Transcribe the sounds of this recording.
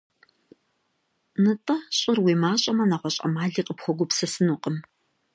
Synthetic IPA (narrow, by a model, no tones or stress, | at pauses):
nɨtʼɐɕʼɪrwiːmaːɕʼɐmɐnaʁʷɔɕʼɐ̰maːɮiːqʼəpxʷɔɡʷʊpsɐsɨnuqʼəm